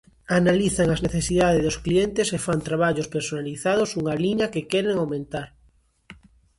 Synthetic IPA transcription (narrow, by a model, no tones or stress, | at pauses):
analiθaŋazneθesiðaðezðosklient̪esefant̪ɾaβ̞aʎospeɾsonaliθaðosuŋaliɲakekeɾeŋawmẽnt̪aɾ